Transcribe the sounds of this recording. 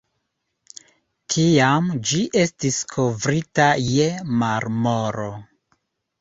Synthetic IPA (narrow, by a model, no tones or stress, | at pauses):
tʰiamd͡ʒiʔe̞stiskʰo̞vɾitaje̞maɾmoɾo